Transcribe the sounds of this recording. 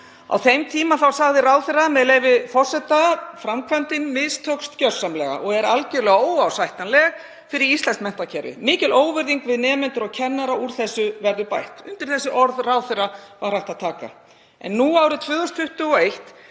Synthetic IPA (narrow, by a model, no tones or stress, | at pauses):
a̰wθejmt̪ʰiːmaθawsaɣðɪraːwðθɪramɛðlejvɪfɔr̥sɛt̪afɾamkʰvant̪ɪnmɪðst̪ʰœkst̪cœr̥sːamlɛ̰ɣa̰ʔɔɣɛɾalcɛɾlɛɣaoːwawsajht̪nanlɛːɣ | fɪɾɪɾist̪lɛnstmɛn̥t̪acʰɛɾvɪ̰mɪːcɪloːwvʏɾðiŋkvɪðnɛːmɛnt̪ʏɾɔɣcʰɛnːaɾauɾ̥θɛsːʏvɛɾðʏpajht̪ʏnt̪ɪɾ̥θɛsːʏʔɔɾðraːwθɪravaɾr̥ajht̪aðt̪ʰaːka̰ | ɛ̰nːuaːwɾɪt̪ʰvʏːðɔst̪fʏht̪ʏɔejht̪